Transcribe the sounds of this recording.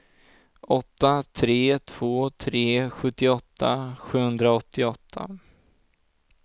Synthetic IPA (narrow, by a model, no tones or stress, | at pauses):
ɔt̪ːat̪ʰɾeːt̪ʰv̥oːt̪ʰɾeːɧɵt̪ːɪɔt̪ʰːaɧʉ̟ːhɵnd̪ɾaɔt̪ːɪɔt̪ʰːa̰